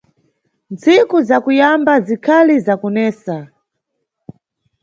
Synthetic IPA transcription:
nt͡sikuzakujambazikʰalizakɔnɛːsa

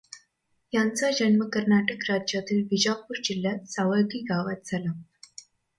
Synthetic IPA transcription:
jant͡sad͡ʑənməkəɾnaʈəkɾad͡ʑjat̪iːlʋid͡ʑapuɾd͡ʑilːjat̪saʋajɡiːɡaʋat̪̚d͡zʱala

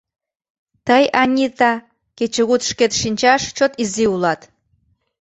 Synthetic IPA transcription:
t̪əjɑnʲit̪ɑ | ket͡ɕəɣut̪ʃket̪ʃinʲt͡ɕɑʃt͡ɕot̪iziulɑt̪

